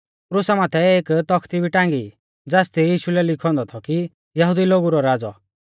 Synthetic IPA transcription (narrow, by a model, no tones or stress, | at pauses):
pɾʊsamaːt̪ʰɛeːkt̪ɔkʰt̪ibʱiʈãːŋɡi | d͡zaːst̪ijiːʃulɛlɪkʰɔ̃nd̪ɔt̪ʰɔki | jɐɦud̪iloːɡuɾɔɾaːd͡zɔ̰